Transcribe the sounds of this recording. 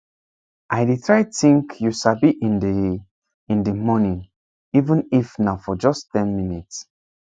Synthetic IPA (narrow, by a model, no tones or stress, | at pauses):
ʔajditʰɹajtĩŋkʰjusabiʔĩnd | ĩndəmɔnĩŋ | ivə̃nifnaʊfɔd͡ʒɔsttɛ̃nminits